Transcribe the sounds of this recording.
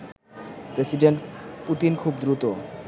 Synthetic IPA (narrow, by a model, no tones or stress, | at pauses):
pɾesiɖeɳʈput̪inkʰubd̪ɾut̪o